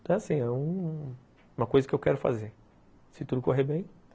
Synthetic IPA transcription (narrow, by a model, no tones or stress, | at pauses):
t̪ɐ̃asĩɛũ | ũmɐkojzɐkɪewkɛɾʊfa̰zeɾ | sɪt̪ud̪ʊkoɦeɾbẽj̃